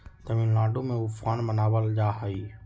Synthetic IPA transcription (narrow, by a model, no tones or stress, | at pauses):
t̪əʋĩːnlaːɖõmẽʊfaːnmənaːʋəld͡ʒaːɦaiː